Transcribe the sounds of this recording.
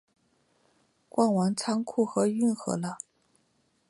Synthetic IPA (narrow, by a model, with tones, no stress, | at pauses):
kwa˥˩nwa˧˥ŋt͡sʰa˥ŋkʰu˥˩xɤ˧˥y˥˩nxɤ̰˧˥lə˧